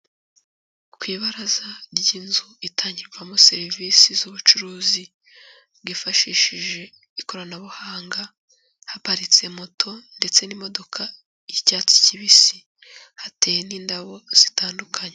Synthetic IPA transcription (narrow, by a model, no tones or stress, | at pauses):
kwiːβaɾazaɾɟinzuitʰaːɲɟiɾɡwamose̞ɾivisizuβut͡ʃuɾuːzi | bɡifaʃiːʃiʒe̞ | iko̞ɾanaβuhaːŋɡa | hapaɾit͡se̞motʰo̞nde̞t͡se̞nimo̞do̞kʰa | icaːt͡si̥ciβisi | hateːjeniːndaβo̞z̥itaːndukʰaɲe